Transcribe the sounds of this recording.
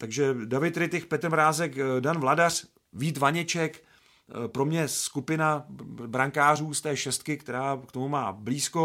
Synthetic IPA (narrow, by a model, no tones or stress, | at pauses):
t̪aɡʒɛdavɪt̪ɾɪt̪ɪxpɛt̪ɾmɾaːzɛkdanvladar̝̥ | viːt̪vaɲɛt͡ʃɛk | pɾo̞mɲɛskupɪnabɾaŋkaːr̝uːst̪ɛːʃɛst̪̚kɪkt̪ɛɾaːkt̪o̞mumaːbliːsko